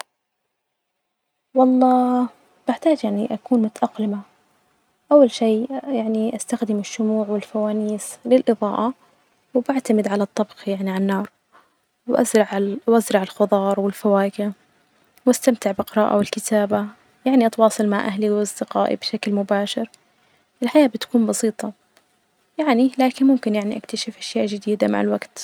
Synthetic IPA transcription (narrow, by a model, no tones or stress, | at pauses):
wɑlˤːɑː | b̥ɪʕt̪aːd͡ʒjaʕniʔakuːnmʊt̪aʔɑqlɪma | ʔawːalʃiːjaʕniʔast̪axd̪ɪmɪʃːʊmuːʕwɪlfawaːniːslɪlʔɨðˤɑ̰ːʔɑ | wbaʕt̪amɪd̪ʕalat̪ˤːɑbxjaʕniʕanːɑːɾˤ | wʔa̰zɾɑʕwʔazɾˤɑʕɪlxʊd̪ˤɑːɾˤwɪlfawaːkɪ | wʔast̪amt̪ɪʕbɪqɪɾˤɑːʔa̰wɪlkɪt̪aːba | jaʕniʔɑt̪wɑːsˤɨlmaʕʔaɦliwɑsˤd̪ɪqaːʔḭbʃaklmʊbaːʃɪɾ | ʔɪlħajaːbɪt̪ḁkuːnbɑsiːt̪ˤɑ | jaʕnilaːkɪnmʊmkɪnjaʕniʔakt̪aʃɪfʔaʃjaːʔd͡ʒɪd̪iːd̪ama̰ʕɪlwaɡt̪